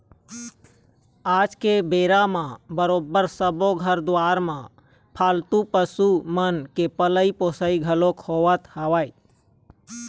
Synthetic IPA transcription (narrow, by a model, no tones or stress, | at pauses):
aːd͡ʒkebeːɾamãbəɾoːbəɾsəboɡʱəɾd̪aːɾmã | pʰaːlt̪upəsumənkepələipoːsəiɡʱəlokhoʋət̪haʋaːi